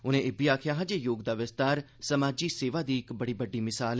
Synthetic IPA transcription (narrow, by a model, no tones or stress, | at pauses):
ʊnẽːɪbiaːkʰjaːɦãd͡ʒeːjoːɡd̪aːʋɪst̪aːɾ | səmaːd͡ʒiːseːʋaːd̪iːɪkbəɽiːbəɖːiːmɪsaːl